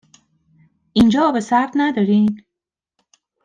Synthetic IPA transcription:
ʔind͡ʒɒːbesæɾd̪næd̪ɒːɾiːn

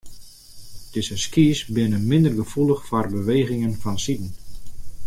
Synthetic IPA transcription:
d̥ɪzəskiːsbɪnəmɪndərɡəfulˠəxfɔrbəʋeːɣɪŋənfɔnsidn̩

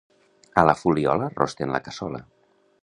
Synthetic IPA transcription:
ələfuliɔ̰lərʔɔ̰st̪enlə̰kəsɔlə

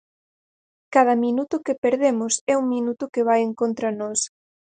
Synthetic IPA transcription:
kað̞ɐmĩnut̪ʊkepeɾðemʊsɛuŋmĩnut̪ʊkɪβ̞ajeŋkont̪ɾɐnɔs

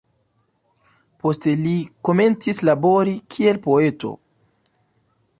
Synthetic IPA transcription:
po̞ste̞liko̞me̞nt͡sislabo̞ɾikʰie̞lpo̞e̞to̞̰

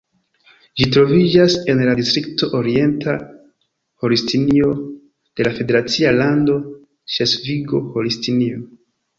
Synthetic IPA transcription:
d͡ʒitɾo̞vid͡ʒase̞nladistɾikto̞ʔoɾie̞ntʰa | holistʰinio̞ | d̥e̞lafe̞de̞ɾat͡sialando̞ | t͡ʃe̞sviɡo̞holistinio̞

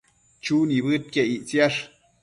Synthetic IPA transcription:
t͡ʃuniβɨt̪̚keiʔt͡sjaʂ

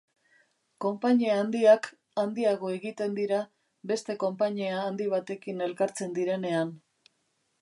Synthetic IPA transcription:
ko̞mpaɲeaːnd̪iak | and̪iaɣo̞e̞ɣit̪e̞nd̪iɾa | be̞st̪e̞ko̞mpaɲeaːnd̪iβ̞at̪e̞kine̞lkaɾt͡se̞nd̪iɾe̞ne̞an

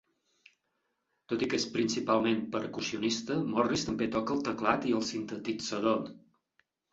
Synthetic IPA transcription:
t̪ot̪ikespɾinsipalˠmempəɾkusiunist̪əmɔrist̪əmbet̪ɔkəlˠt̪əklat̪iəlˠsint̪ət̪id͡zəðo

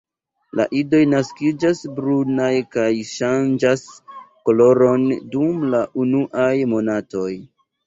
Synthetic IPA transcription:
la̰ʔido̞jnaskid͡ʒasbɾunajkajʃand͡ʒasko̞lo̞ɾo̞ndumlaʔunuʔajmo̞nato̞j

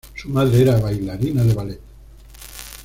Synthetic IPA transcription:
sumaðɾeeɾaβajlaɾinaðeβalet̪

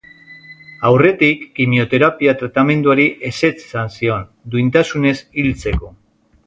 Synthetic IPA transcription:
awre̞t̪ikːimio̞t̪e̞ɾapiat̪ɾat̪ame̞nd̪uaɾiʔe̞se̞t͡ssansio̞n | d̪uint̪asune̞silt͡se̞ko̞

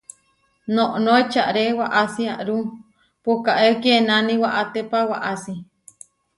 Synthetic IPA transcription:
nõʔnoet͡ʃaʔɾewaʔasiaʔɾu | pukaʔekienanĩwaʔat̪epawaʔasi

